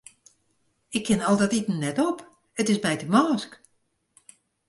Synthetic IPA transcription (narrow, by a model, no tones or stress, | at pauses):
ɪkʰːɪnɔlˠdɛtitn̩nːɛtɔp | ətɪsmɛjtəmɔːsk